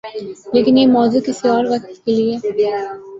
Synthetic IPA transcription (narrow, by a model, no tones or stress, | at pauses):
leːkɪnjemɔːzukɪsiɔːɾʋɐk̚t̪kelie